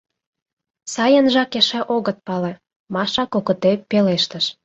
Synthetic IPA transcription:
sɑjənʒɑkeʃɑʔoɣət̪̚pɑle | mɑʃɑkokə̆t̪epeleʃt̪əʃ

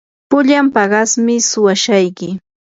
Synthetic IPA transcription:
pʊʎampɑɢɑsmɪsʊwaʃajkɪ

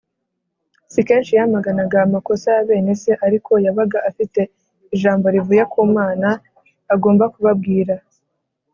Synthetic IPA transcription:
sike̞ːnʃijamaɡanaɡaːmako̞saːβe̞ːne̞se̞ʔaɾikʰo̞jaβaɡaʔafite̞ | iʒaːmbo̞ɾivujakʰuːmaːnaː | ɡo̞ːmbakuβab̚ɡiːɾa

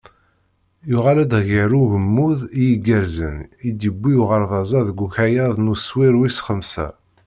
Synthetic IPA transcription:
jʊʁalæd̪ɣəɾuʝəmːuðijiɡəɾzə̰nid̪əbːijuʁəɾˤvɑzˤɑðɡʷuçæjɑðˤnuswiɾwisχəmsæ̰

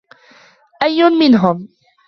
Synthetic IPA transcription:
ʔajːʊmmɪnɦʊm

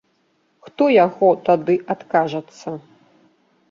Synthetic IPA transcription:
xt̪ɔjaɣɔt̪ad̪ɨʔat̪kaʐɐt̪sːɐ

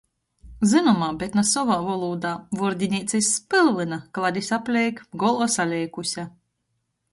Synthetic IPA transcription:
zɨnɔmaːbʲɛt̪nasɔvaːvɔlˠuːd̪aːvuɾd̪ʲinʲiːt̪sʲɛspɨlˠlɨnaklˠad̪ʲisʲaplʲɛjkɡɔlˠɔsalʲɛjkusʲa

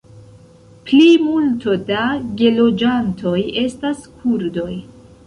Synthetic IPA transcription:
plimulto̞daɡe̞lo̞d͡ʒantʰo̞je̞staskʰuɾdo̞j

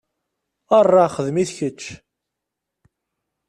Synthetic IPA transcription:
ərˤːɑχəðmiθçət͡ʃː

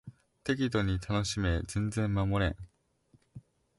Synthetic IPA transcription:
t̪e̞k̬ʲit̪oɲ̟it̪ʰano̞ɕime̞zẽ̞nd͡zẽ̞mːamoɾḛ̃

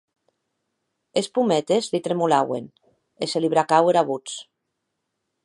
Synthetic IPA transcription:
espumɛt̪ezlit̪ɾemulawḛn | eseliβ̞ɾakaweɾaβ̞ut͡s

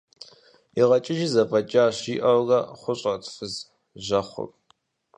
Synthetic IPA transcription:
iʁɐt͡ʃʼɪʒizɐpʰʼɐt͡ʃʼaːɕiːʔɐwɣɐχʷʊɕʼɐtʰfɨz | ʒɐχʷʊ̰pʼ

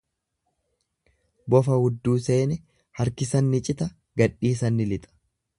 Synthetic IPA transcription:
bɔfɐhʊd̪ːuːse̞ːnɛ | hɐɾkɪsɐnːɪt͡ʃʼɪt̪ɐ | ɡɐᶑiːsɐnːɪlɪt̪ʼɐ̥

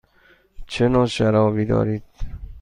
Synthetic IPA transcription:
t͡ʃʰenɒːʃæɾɒːviːd̪ɒ̰ːɾiːd̪̥̚

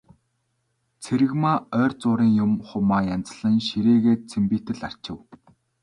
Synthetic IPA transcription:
t͡sʰeɾɘ̆ɣmaːœːrt͡sʊːɾiːŋjʊmχʊmaːjan̥t͡sɮə̆ŋʃiɾeːɣeːt̪t͡sʰempiːt̪ɘ̆ɮar̥t͡ɕɪ̆w

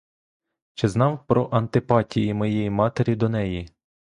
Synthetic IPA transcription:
t͡ʃɛznɑwpɾɔʔɐnt̪ɪpɑtʲijimɔjejimɑt̪eɾʲid̪ɔnɛji

